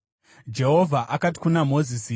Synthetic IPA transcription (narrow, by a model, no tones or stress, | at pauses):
d͡ʒe̞ɦo̞vʱaʔakati̥kunamo̞zisi